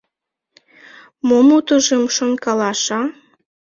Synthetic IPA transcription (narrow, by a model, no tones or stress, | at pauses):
momut̪uʒəmʃonkɑlɑʃɑ